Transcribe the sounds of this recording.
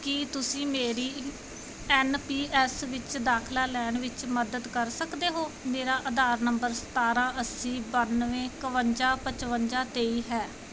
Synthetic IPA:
kɪt̪ʊsĩːmeːɾiː | ɛːnpiːɛːsʋɪt͡ʃd̪aːkʰlaːlɛːɳʋɪt͡ʃməd̪əd̪kəɾsəkd̪eːɦoːmeːɾaːʔəd̪aːɾnəmbəɾsə̥t̪aːɾãːʔəsĩːbənʋẽːkəʋəɲd͡ʒaːpət͡ʃʋəɲd͡ʒaːt̪eːiːɦɛː

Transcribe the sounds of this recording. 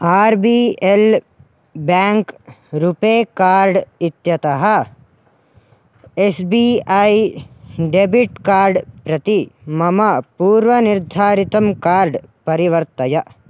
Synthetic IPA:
aːɾbiːel | bɛ̃ːŋk | ɾupeːkaːɾɖɪt̪jɐt̪ɐɦɐ | esbiːai | ɖebiʈkaːɾɖpɾɐt̪imɐmɐpuːɾʋɐniɾd̪ʱaːɾit̪ɐmkaːɾɖpɐɾiʋɐɾt̪ɐjɐ

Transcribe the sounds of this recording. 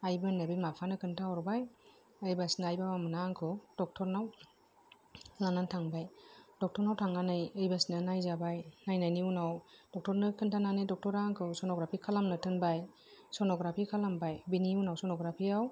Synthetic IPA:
ajbɯnebijmapʰanɯkʰɯntʰaɔɾbaj | ɯjbasnajbabamɯnaŋkʰɯwd̥ɔk̚tʰɔɾnaw | lanantʰaŋbajd̥ɔk̚tʰɔɾnawtʰaŋanɯjɯjbasnɯnajzabajnajnajniunawd̥ɔk̚tʰɔɾnɯkʰɯntʰananɯjdɔk̚tɔɾaŋkʰɯwsɔnɔɡɾapʰikʰalamnɯtʰɯnbaj | sɔnɔɡɾapʰikʰalambajbiniunawsɔnɔɡɾapʰiaw

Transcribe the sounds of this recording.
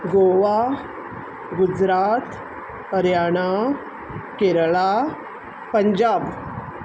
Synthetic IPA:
ɡoʋa | ɡud͡zɾat̪ | əɾjaɽ̃a | keɾɭa | pəɲd͡ʑab

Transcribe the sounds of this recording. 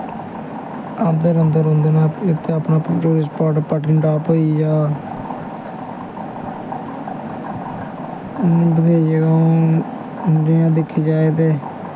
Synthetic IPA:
aːpd̪eːɾənd̪əɾɦʊ̃nd̪eːnaːɪt̪ʰːeːapnaːpːt͡ʃoːɾɪːs̬paːʈpəʈɪɳɖaːpoiːjaː | bəd̪ijãːd͡ʒeːɡãː | ɖɪjãːd̪ɪkʰːiːd͡ʒaːeːt̪eː

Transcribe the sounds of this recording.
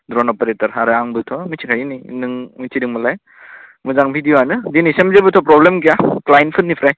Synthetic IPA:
dɾɔnɔpeɾetɔɾɦaɾɯaŋbɯtʰɔmisʰikʰajinijnɯŋmusʰidɯŋmalaj | muzaŋbʱidijoanɯdinisemzebɯtʰɔpɾɔblemk̬ijaklajnpʰɯtnːipʰɾaj

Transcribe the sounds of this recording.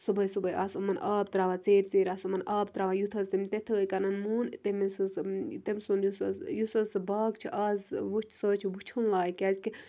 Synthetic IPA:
subɐjsubɐjʔaːsumɐnʔaːb̚t̪ɾaːʋat͡seːɾʲt͡seːɾasumɐnaːb̚t̪ɾaːʋajut̪ʰɐzt̪emʲt̪et̪ʰɐəjkɐnɐnmuːnt̪emesɐst̪emsund̪jusɐsjusɐsbaːɡt͡ʃʰiʔaːzʋut͡ʃʰsəːt͡ʃʰiʋut͡ʃʰunlaːjkʲazʲki

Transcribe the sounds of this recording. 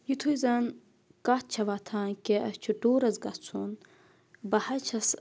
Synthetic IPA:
jut̪ʰujzɐn | kat̪̚t͡ʃʰɐʋat̪ʰaːnkeʔɐt͡ʃʰuɖoːɾɐzɡɐt͡sʰun | bɐhɐt͡ʃʰɐs

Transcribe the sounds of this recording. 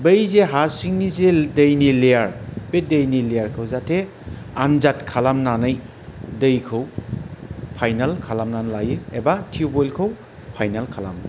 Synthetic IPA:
bejzeɦasiŋnizedəjnileaɾbedejnilejaɾkʰɯwzatʰe | anzatkʰalamnanaj | dɯjkʰɯw | pʰajnalkʰalamnanlajɯebatʰiubojlkʰəw | pʰajnalkʰala̰m

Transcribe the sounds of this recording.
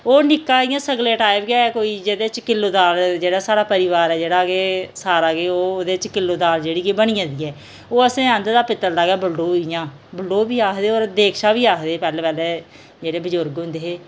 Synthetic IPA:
oːnɪkːãːɪjãːsəɡleːʈaːɪpɡɪjaːɛːkoːiːd͡ʒeːd̪eːt͡ʃkɪlːoːd̪aːɾd͡ʒeːɽaːsaːɽaːpəɾiʋaːɾɛːd͡ʒeːɽaːkeːsaːɾaːkeːoːd̪eːt͡ʃkɪlːoːd̪aːld͡ʒeːɽiːkeːbəɽ̃iːãːd̪iːɛː | oːəsẽːə̃nd̪d̪aːpɪt̪ːəld̪aːɡaːbəɭɖoːɪjãː | bəlɖoːbiːaːkd̪eːoːɾd̪eːkʰʃaːbiːaːkʰd̪eːpɛːlɛːpɛːlɛː | d͡ʒeːɽeːbəd͡ʒʊɾɡɦʊ̃nd̪eːɦeː

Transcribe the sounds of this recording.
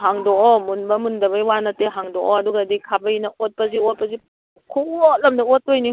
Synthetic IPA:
haŋdɔɔmunbɐmundɐβɐjwanɐteɦaŋdɔʔoɐduɡadikʰabɐinɐot̚pɐziot̚pɐzi | kʰuot̚lɐmdɐotːojni

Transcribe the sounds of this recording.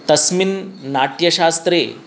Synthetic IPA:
t̪ɐsminːaʈjəɕast̪ɾḛ

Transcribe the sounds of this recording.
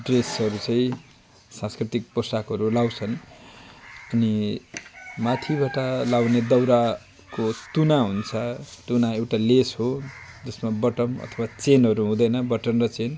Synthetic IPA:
ɖresʌɾut͡sʌĩ | sãskrit̪ik̚posakɦʌɾulawt͡sʰʌn | ʌni | mat̪ʰibaʈʌlawned̪ʌwɾa | kot̪unaɦunt͡sʰʌt̪unaewʈalesɦod͡zʌsmabʌʈʌmʌ̰t̪ʰʌbwat͡senʌɾuɦũd̪ʌjnʌbʌʈʌnrʌt͡sen

